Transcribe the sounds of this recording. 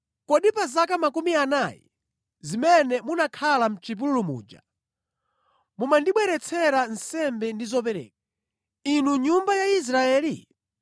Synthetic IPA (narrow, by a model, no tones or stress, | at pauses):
kɔɗipazakamakumianajɛ̰ | zimɛnɛmunakʰalam̩t͡ʃip̬ululumṵːd͡ʒa̰ | mumandiɓwɛɾɛt͡sʰɛɾan̩sɛmbɛndizɔp̬ɛɾɛ̰ːk̚a | inuɲumbajais̬ɾaɛːli